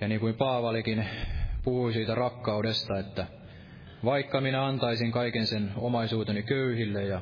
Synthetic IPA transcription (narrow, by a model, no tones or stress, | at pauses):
jɑniːŋkuimpɑːʋɑlikinpuhuisiːt̪ærɑkːɑudest̪ɑet̪ːæ | ʋɑikːɑminæɑnt̪ɑisiŋkɑikensenomɑisuːt̪enikøyhilːejjɑ